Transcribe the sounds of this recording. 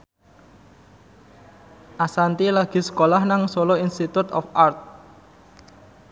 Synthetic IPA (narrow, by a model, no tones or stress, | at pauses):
ʔasant̪ilaɡ̥i̤sə̥kolahnaŋsoloinst̪it̪ut̪ɔ̰fart̪̚